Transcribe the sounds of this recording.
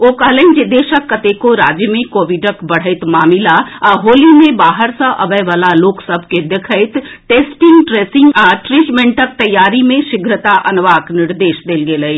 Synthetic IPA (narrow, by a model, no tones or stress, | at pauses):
oːkɐɦlẽnd͡ʒid̪eːʃəkːət̪ekoɾaːd͡ʒjəmẽkoːʋɪɖəkbɐɽ̤əɪt̪maːmɪlaaɦoːlimẽbaːɦəɾsə̃ʔɐbəjʋaːlaloːksəbʱked̪ekʰəɪt̪ʈeːsʈɪŋɡʈɾeːsɪ̃ŋaʈɾiːʈmẽɳʈək̚t̪ɐjːaːɾimẽʃɪɡʱɾət̪aʔɐnʋaːknɪɾd̪eːʃd̪eːlɡeləi